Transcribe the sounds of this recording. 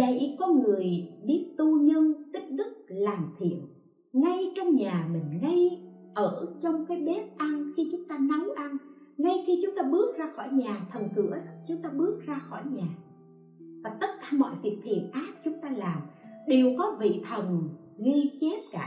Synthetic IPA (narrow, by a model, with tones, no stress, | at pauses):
ə̰˧˨jʔkɔ˨˦nŋɨ˨˩əjɗi˦˥ət̪u˧ɲə˧nt̪ï˦˥k̟̚ɗɨ˦˥k̚laː˨˩mt̪ʰḭ˧˨ən | ŋa˧jt͡ɕɔ˧wŋ͡mɲaː˨˩mï˨˩ŋ̟ŋə˧jʔəː˧˩t͡ɕɔ˧wŋ͡mkaː˨˦jɓe˦˥p̚ʔa˧nxi˧t͡ɕʊ˨˦ŋ͡mt̪aː˧na˨˦wʔa˧nŋa˧jxi˧t͡ɕʊ˨˦ŋ͡mt̪aː˧ɓɨ˦˥ək̚zaː˧xɔ˧˩jɲaː˨˩t̪ʰə˨˩nkɨ̰˧˥ə˨˦t͡ɕʊ˨˦ŋ͡mt̪aː˧ɓɨ˦˥ək̚zaː˧xɔ˧˩jɲaː˨˩ | vaː˨˩t̪ə˦˥t̚kaː˧˩mɔ̰˧˨jvi˨˩ək̚t̪ʰḭ˧˨ənʔaː˦˥p̚t͡ɕʊ˨˦ŋ͡mt̪aː˧laː˨˩mɗe˨˩wkɔ˨˦vḭ˧˨t̪ʰə˨˩n | ŋi˧t͡ɕe˦˥p̚kaː˧˩